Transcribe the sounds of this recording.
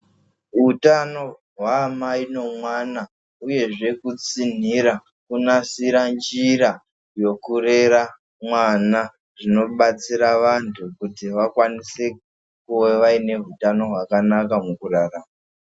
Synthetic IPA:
ɦutano̞ | ɦwaːmaino̞mwana | uje̞ʐe̞kut͡sin̤iɾa | kunasiɾand͡ʒiɾa | jo̞kuɾe̞ɾa | mwana | ʐino̞ɓat͡siɾaʋantʰukutiʋakwanise̞ | kuweʋaine̞ɦutano̞ɦwakanakamukuraraːma

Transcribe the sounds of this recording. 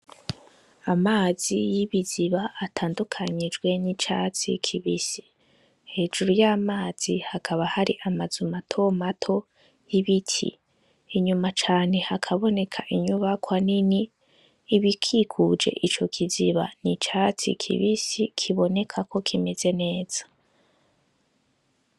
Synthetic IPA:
amaːzijiβiziβaːtʰaːndukʰaɲid͡ʒɡwe̞nit͡ʃa̰t͡sḭkʰiβisi̥ | he̞ːd͡ʒuɾujaːmaːz̥ihakʰaβahaɾiʔamazumatʰo̞matʰo̞ | jiβitʰḭː | ɲumat͡ʃaːne̞hakʰaβo̞ne̞kʰaʔiɲuβakwaniniː | βikʰikʰud͡ʒe̞̰ʔit͡ʃo̞kʰiziβa̰nit͡ʃat͡sḭkʰḭβisikʰiβo̞ne̞kʰakʰo̞kʰimeze̞ne̞ːz̥ḁ

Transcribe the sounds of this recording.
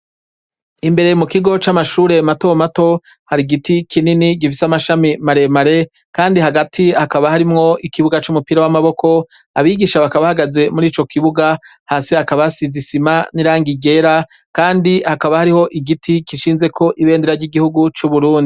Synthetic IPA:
imbe̞ɾemukiɡo̞t͡ʃamaʃuːɾe̞mato̞mato̞ | haɾiɡitikʰininiɡifisamaʃamimaɾe̞maɾe̞ | kaːndihaɡatʰiakaβahaɾimŋo̞ʔikiβuɡat͡ʃumupiːɾawamaβo̞kʰo̞ | aβiːɡiːʃaβakaβahaɡaze̞muɾiːt͡ʃo̞kʰiβuɡahaːsihakaβasizisimaniɾaːŋɡiɡe̞ɾa | kaːndihakaβahaɾiho̞ʔiɡitʰikiʃiːnze̞kʰo̞ʔiβe̞ːndeɾaɾɟiɡihuɡut͡ʃuβuɾuːndi

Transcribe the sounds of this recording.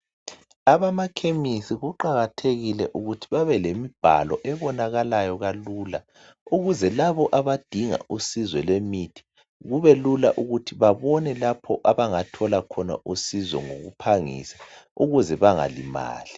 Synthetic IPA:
aβamakʰemisiɣuǃaɣatʰeɣilɛʔuɣutʰiβaβɛlemib̥ʱa̰lɔʔɛβɔnaɣalajɔɣaluːla̰ | uɣuzɛlaβɔʔaβad̥ʱiŋa̰ʔusizwɛlwemitʰi̥ | ɣuβɛlulaʔuɣutʰiβaβɔnɛlapʰɔʔaβaŋatʰɔlakʰɔna̰ʔusizɔ̰ŋoɣṵpʰaŋḭːsḁuɣuzɛβaŋa̰lima̰ːli

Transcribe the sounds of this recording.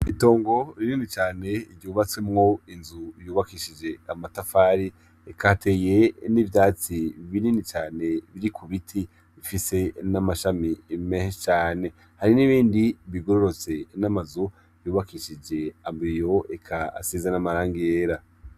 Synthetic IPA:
ito̞ːŋɡo̞ɾininit͡ʃaːne̞iɾɟuːβat͡swe̞mŋo̞inzujuːβakiʃid͡ʒe̞amatafaːɾi | ekʰatʰe̞ːje̞nivjaːt͡siβininit͡ʃaːne̞βiɾikʰuβitʰi | βifise̞namaʃamimehet͡ʃaːne̞ | haɾiniβiːndiβiɡoɾoɾo̞t͡se̞namazu | juːβakiʃid͡ʒe̞ambijo̞ekʰa̰ːsizanamaɾaːŋɡijeːɾa

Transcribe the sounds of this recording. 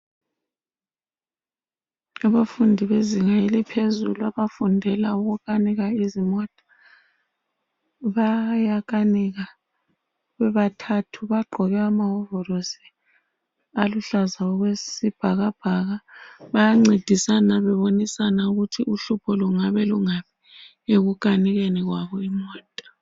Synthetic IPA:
aβafundʱiβeziŋajelipʰezuluaβafundʱɛlauɣuɣaniɣaizimɔtʼḁ | βajaɣaniɣa | βɛβatʰatʰuβaɡ͡ǃʱɔɣɛamaɦɔvɔrosi̥ | aluɬazaɔɣwesib̥ʱaɣab̥ʱaɣaβajaŋ͡ǀid̥ʱisanaβɛβonisanauɣutʰiuɬupʰɔluŋaβɛluŋapi̥ | eɣukʼaniɣeniɣwaβɔimɔːtʼḁ

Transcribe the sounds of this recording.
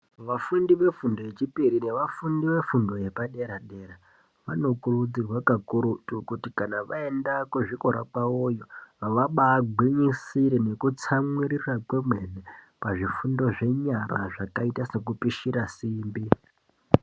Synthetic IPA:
ʋafundiʋe̞fundo̞je̞t͡ʃipiɾine̞ʋafundiʋe̞fundo̞je̞paɗe̞ɾaɗe̞ɾa | ʋa̰no̞kurud͡zirwakakuɾutukutikanaʋae̞ndakuʐikoɾa̰paojo̞aʋaɓaːɡʱwiɲisiɾene̞kut͡samwiɾirakwemwene | paʐifundo̞ʐe̞ɲaraʐakaitasekupiʃiɾasiːmbi

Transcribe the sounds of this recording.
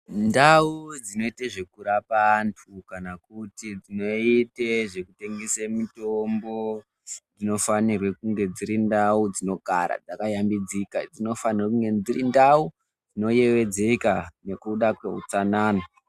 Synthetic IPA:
ndaud͡zino̞iteʐe̞kuɾapantʰukanakutid͡zino̞iteʐe̞kute̞ŋɡesemitombo̞ | d͡zino̞fanirwe̞kuŋɡe̞d͡ziɾindaud͡zino̞ɡʱa̰ɾa̰d͡zakajambid͡zikad͡zino̞fanirwekuŋɡe̞d͡zirindau | d͡zino̞je̞ʋe̞d͡zekane̞kuɗakwe̞̰ɦṵt͡sanaːna

